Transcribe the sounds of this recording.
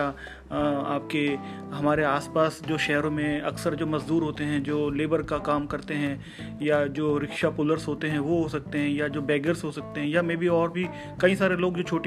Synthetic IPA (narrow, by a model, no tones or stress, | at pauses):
a | aːp̚ke | ɦɐmaːɾeaːspaːsd͡ʒoːʃɛɦɾõmẽɐksəɾd͡ʒoːmɐzd̪uːɾɦoːt̪eɦɛ̃d͡ʒoːleːbəɾkakaːmkɐɾt̪eɦɛ̃ | jad͡ʒoːɾɪkʃapʊːləɾzɦoːt̪eɦɛ̃ʋoɦosɐk̚t̪eɦɛ̃jad͡ʒoːbɛːɡəɾsɦosɐk̚t̪eɦɛ̃jamẽbʱiɔːɾbʱi | kɐĩsaːɾeloːɡd͡ʒoːt͡ʃʰoːʈ